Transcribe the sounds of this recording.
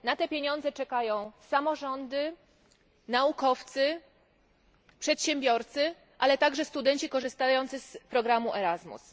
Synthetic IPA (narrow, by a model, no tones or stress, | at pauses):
nat̪ɛpʲjeɲɔ̃nd̪zɛt͡ʂɛkajɔ̃w̃samɔʐɔnd̪ɘ | naukɔft̪sɘ | pʂɛt̪ɕɛmbʲjɔɾt̪sɘ | ʔalɛt̪aɡʐɛst̪ud̪ɛɲt͡ɕikɔʐɘst̪ajɔnt̪sɘspɾɔɡɾamuʔɛɾazmṵs